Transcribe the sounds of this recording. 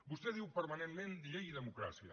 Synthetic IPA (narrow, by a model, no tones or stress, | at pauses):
bust̪ɛðiwpəɾmɐnenmend̪iʎejiðəmukɾa̰siə̰